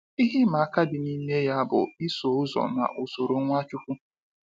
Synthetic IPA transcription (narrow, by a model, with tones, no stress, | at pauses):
i˦ɦi˦ma˨a˦ka˦dɪ˨niː˦ne˦ja˦bʊ̰˨ɪ˦so˨ʊ˦zɔ̰˨na̰˨ʔo˨so˨ɾo˨˦ŋʷa˦t͡ʃʊ˦ku˦